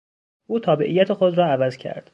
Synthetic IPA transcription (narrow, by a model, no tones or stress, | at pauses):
ʔuːt̪ʰɒːbeʔijːæt̪ʰexod̪rɒːævæzcʰæ̰ɾd̪̥